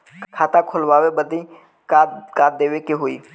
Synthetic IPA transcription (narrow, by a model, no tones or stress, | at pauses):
kʰaːt̪ãkʰolʋaːʋebəd̪ʱĩ | kakaːd̪eːʋekeɦoḭː